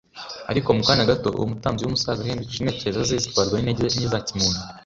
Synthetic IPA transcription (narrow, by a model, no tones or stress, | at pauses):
a̰ɾiko̞mukaːnaɡato̞̰ṵwumutaːmziwumusazaheːndiki̥ʃinecezazezitkwaːɾɡwaineɟezaɲizacimuːnu